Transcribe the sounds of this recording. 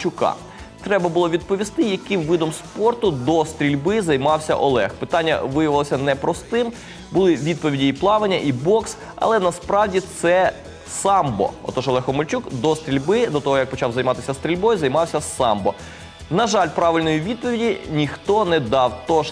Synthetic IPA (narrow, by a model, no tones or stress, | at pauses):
t͡ʃʊkɑ̰ | t̪ɾɛbɐbʊlˠɔʋʲid̪̚pɔʋʲist̪ɪjɐkɪmʋɪd̪ɔmspɔrt̪ʊd̪ɔst̪ɾʲilʲbɪzɐjmɑwsʲɐ̰ʔɔlˠɛxpɪt̪ɑnʲːɐ̰ʋɪjɐʋɪlˠɔsʲɐnɛpɾɔst̪ɪm | bʊlˠɪʋʲid̪̚pɔʋʲidʲiiplˠɑʋenʲːɐʔibɔks | ɐ̰lˠɛnɐspɾɑwdʲit̪sɛ | sɑmbɔ̰ɔ̰t̪ɔʒɔlˠɛxɔmɔlʲt͡ʃukd̪ɔst̪ɾʲilʲbɪd̪ɔt̪ɔɦɔjɐk̚pɔt͡ʃɑwzɐjmɑt̪ɪsʲɐst̪ɾʲilʲbɔjuzɐjmɑwsʲɐsɑmbɔ | nɐʒɑlʲpɾɑʋɪlʲnɔjiʋʲid̪̚pɔʋʲidʲinʲixt̪ɔnɛd̪ɑwt̪ɔʒ